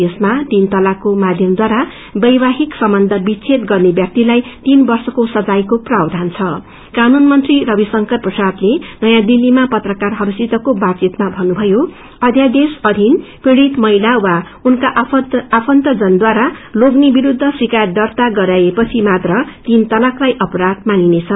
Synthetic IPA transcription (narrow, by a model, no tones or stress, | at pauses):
esmat̪int̪ʌlakomad̪ʱjʌmd̪waɾa | bʌjbaɦiksʌmbʌnd̪ʱʌbit͡sʰet̪ɡʌrnebjak̚t̪ilajt̪inbʌrsʌkosʌd͡zajkoprawd̪ʱant͡sʰʌ | kanunmʌnt̪rirʌbisʌŋkʌrprʌsad̪lenʌjãd̪ilːimapʌt̪rʌkarɦʌɾusit̪ʌkobat͡sit̪mabʱʌnubʱʌjo | ʌd̪ʱjad̪esʌd̪ʱinpreɽit̪mʌilawa | unkaʔapʰʌnt̪ʌd͡zʌnd̪waɾaloɡnebiɾud̪ʱːʌsikajʌd̪ʌrt̪aɡʌɾajepʌt͡sʰimat̪rʌt̪int̪ʌlaklajʔʌpʌɾad̪maninet͡sʰʌn